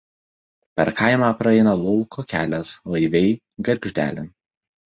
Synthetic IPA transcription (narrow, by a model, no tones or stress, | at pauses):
pʲɛɾkɐɪmɑːpɾɐɛɪnɐlˠɔlˠkʰoːkʲæːlʲɛslˠɐɪʋʲɛɪ | ɡɐɾʲɡʲʒʲd̪ʲæ̰ːlʲɪn